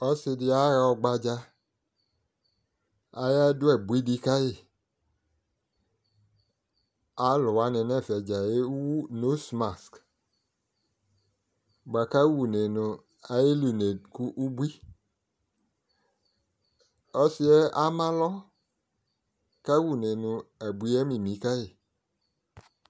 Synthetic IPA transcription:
ɔ˦si˧di˧a˦ɾa˧ɔ˧ɡ͡ba˧d͡ʒa˧ | a˧˦ja˦du˦ɛ˦˨bʷi˦di˧ka˦je˦˨ | a˦lu˨wa˨˦ne˨˧˨nɛ˦˨fɛ˨d͡ʒa˨je˦wu˦no˨˦sma˨sk | ɡ͡ba˨ka˦wu˨ne˨nʊ̃˨ | a˨je˦lu˨ne˨dku˦ʔu˦bu˦i˦ | ɔ˦si˦ɛ˦a˦mã˦lɔ˦ | ka˦wu˨ne˨nũ˨ɛ˨bu˨i˦ɛ˦mĩ˨mĩ˨˦ka˦je˦˨

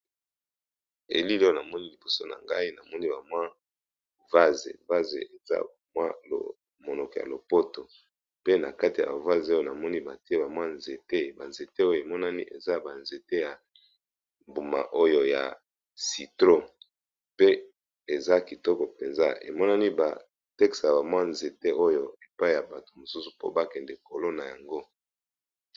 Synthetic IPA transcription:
e˨li˦lo˦jo˨na˨mɔ˦ni˦li˨bo˨so˦na̰˨ŋɡa̰˦i˦na˨mɔ˦ni˦ba˨mwa˦ | va˦zḛ˨va˦zḛ˨ʔe˨za̰˦bmwa˦lo̰˨ | mo˨nɔ˨kɔ˨ja̰˨lo˨po˦to˨ | pe˦na̰˨ka˦ti˨ja̰˨ba˨va˦zo˦jo˦na˨mɔ˦ni˦ba˨ti˦e˦ba˨mwa˦nze˨te˦ba˨nze˨te˦o˦jo˨e˨mɔ˦na˦nḭ˦ʔḛ˨za˦ba˨nze˨te˦ja˨ | mbu˨ma̰˨ʔo˦jo˦ja̰˨ | si˨tʁo˦ | pe˦ | e˨za˦ki˨tɔ˦kɔ˨pe˨nza̰˦ḛ˨mɔ˦na˦ni˦ba̰˨ | tɛ˦ksa˨ja˨ba˨mwa˦nze˨te˦o˦jo˦e˨pa˦i˨ja˨ba˨to̥˨mo˨su˦su̥˨po̰˦ba˦kɛ˨ndɛ˨ko˨lo˦na˨ja˨ŋɡo˦

